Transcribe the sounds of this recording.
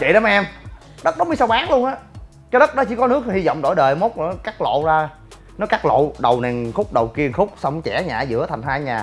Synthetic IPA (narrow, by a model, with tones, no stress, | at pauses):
t͡ɕḭ˧˨ɗɔ˨˦m˧ʔɛ˧m | ɗə˦˥t̚ɗə˨˦wŋ͡mmɨ˧˦sa˧wɓaː˨˦˥ŋlu˧ənʔaː˨˦ | t͡ɕɔ˧ɗə˦˥t̚ɗɔ˨˦t͡ɕi˧˦kɔ˨˦nɨ˦˥ək̚hi˧zɔ̰˧˨wŋ͡mɗo˧˩jɗəː˨˩mo˦˥t̚nɔ˨˩˦kaː˦˥k̚lo̰˧˨zaː˧ | nɔ˨˦jkaː˦˥k̚lo̰˧˨ɗə˨˩wnɛ˨˩nxʊ˦˥k͡p̚ɗə˨˩wki˧ənxʊ˦˥k͡p̚sə˧wŋ͡mt͡ɕɛ˧˩ɲaː˨˩zɨ̰˧˥ət̪ʰa˨˩jŋ̟haː˧jɲaː˨˩